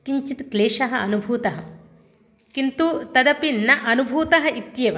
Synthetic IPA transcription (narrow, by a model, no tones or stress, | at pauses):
kiɲt͡ʃit̪kleːʂɐɦɐɐnubʱuːt̪ɐɦɐ | kint̪ut̪ɐd̪ɐpinːɐʔɐnubʱuːt̪ɐɦɐit̪ːjɐʋɐ